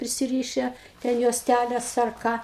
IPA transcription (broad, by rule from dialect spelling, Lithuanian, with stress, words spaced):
pʲrʲɪsʲɪˈrʲiːʃʲɛ tʲɛn juɔsʲˈtʲælʲɛs ɐr ˈkɑː